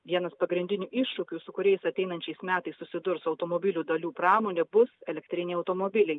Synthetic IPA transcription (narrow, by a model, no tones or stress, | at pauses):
ʋʲiɛnɐspɐɡɾʲɪnʲd̪ʲɪnʲuːʔɪʃʃʊkʲuːsʊkʊɾʲɛɪsɐt̪ʲɛɪnɐnʲt͡ʃʲɛɪsmʲæːt̪ɐɪssʊsʲɪd̪ʊɾsɐʊt̪oːmoːbʲɪlʲuːd̪ɐlʲuːpɾɑːmoːnʲeːbʊsɛlʲɛkt̪ʲɾʲɪnʲɛɪɐʊt̪oːmobʲɪlʲɛɪ